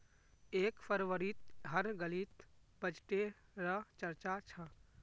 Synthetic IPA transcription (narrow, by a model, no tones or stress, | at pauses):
eːkpʰəɾʋəɾit̪̚ɦəɾɡəlit̪bəd͡ʒʈeɾət͡ʃəɾt͡ʃat͡ʃʰə̃